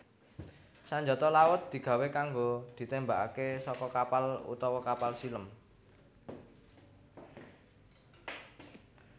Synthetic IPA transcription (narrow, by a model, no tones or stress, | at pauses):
saɲd͡ʒɔ̤t̪ɔlawət̪̚d̪̥i̤ɡ̥a̤wekaŋɡod̪̥i̤t̪embaʔakesɔkɔkapalṵt̪ɔwɔkapalsiləm